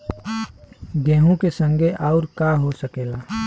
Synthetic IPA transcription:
ɡɛ̃ːɦõkesə̃ŋɡʱeʔɔːɾkaɦosəkeːlaː

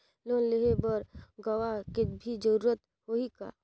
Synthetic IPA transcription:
loːnleɦebəɾɡəwakebʱid͡ʒəɾuːɾət̪ | hoika̰

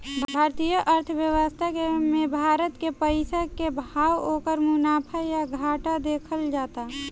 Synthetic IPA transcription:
bʱaːɾt̪ijəʔəɾt̪ʰʋjəwəst̪ʰakemẽbʱaːɾət̪kepəɪsakebʱaːwoːkəɾmʊnaːpʰajaɡʱaːʈad̪eːkʰəld͡ʒaːt̪a

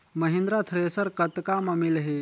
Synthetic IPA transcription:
məɦĩnd̪ɾat̪ʰɾesəɾkət̪kamamilɦe

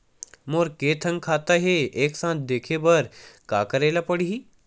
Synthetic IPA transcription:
moːɾkeːt̪ʰə̃ŋɡkʰaːt̪aɦeeːksãːt̪ʰd̪eːkʰebəɾka̰ːkəɾeːlapəɽiɦiː

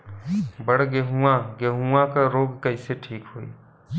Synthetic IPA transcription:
bəɽ̤ɡeɦuãɡeɦuãkaɾoːɡkɐɪseʈʰiːkɦoːḭː

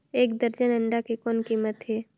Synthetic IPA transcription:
eːk̚d̪əɾd͡ʒənə̃ɳɖakekɔːnkiːmət̪ɦɛː

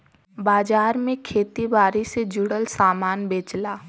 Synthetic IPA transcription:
baːd͡ʒaːɾmẽkʰeːt̪ibaːɾised͡ʒʊɽəlsaːmaːnbeːt͡ʃlaː

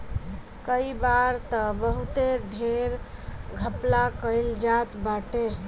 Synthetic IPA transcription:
kəibaɾt̪əbəɦut̪eɾɖʱeɾɡʱəplakəjld͡ʒat̪baʈeɾ

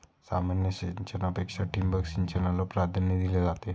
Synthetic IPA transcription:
samanjəɕeɲt͡ɕenapekʂaʈimbəksint͡ɕenalɔpɾad̪ʱənid̪iled͡zat̪e

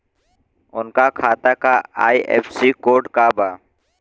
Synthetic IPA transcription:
ʊnkaːkʰaːt̪aːkaːa̰ːiːʔḛːfsiːkoːɖkaːbʱaː

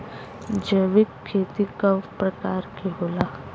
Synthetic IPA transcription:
d͡ʒəʋɪkʰːeːt̪ikapɾɐkaːɾkiɦoːlaː

